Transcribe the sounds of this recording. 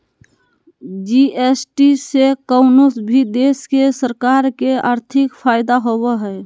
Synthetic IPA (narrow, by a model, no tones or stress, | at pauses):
d͡ʒiːʔesʈisekoʊnosbʱid̪eːskesəɾkaːɾkea̰ːɾt̪ʰɪkfʰaːɪd̪aɦoweɦɛː